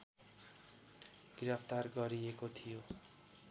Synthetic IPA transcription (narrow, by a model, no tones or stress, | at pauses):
ɡiɾʌpʰt̪arɡʌɾijekot̪ʰijo